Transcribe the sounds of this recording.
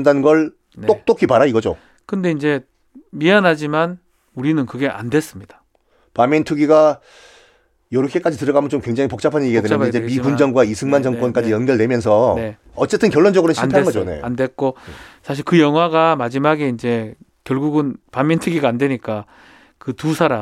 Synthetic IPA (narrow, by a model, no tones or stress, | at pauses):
ndanɯnɡʌɭ | n͈ok̚t͈okʰipaɾaiɡʌd͡ʑo̰ | kɯnde̞ind͡ʑe̞ | mianɦad͡ʑiman | uɾinɯnkɯɡe̞ʔa̰ndwe̞s͈ɯmɲid̥ḁ | pamintʰɯɡiɡa | jʌɾɯkʰːe̞k͈ad͡ʑitɯɾʌɡamjʌnt͡ɕomkwe̞ŋd͡ʑaŋipok̚t͡ɕ͈apʰaɲeiɡedeaaid͡ʑemibund͡ʑʌŋɡwaisʰɯŋmand͡ʑʌŋk͈wʌnk͈ad͡ʑijʌnɡjʌɭde̞mjʌns̬ʰʌne̞ | ʌt͡ɕ͈e̞t͈ʰɯnkjʌɭːond͡ʑʌɡɯɾonɕʰanpʰeeŋɡʌd͡ʑonḛandwe̞k͈osʰaɕ̬ʰiɭkɯjʌŋɦwaɡamad͡ʑimaɡeind͡ʑe̞kjʌɭɡuɡɯnpamintʰɯɡiɡaːndwe̞ɲik͈a | kɯtusʰaɾa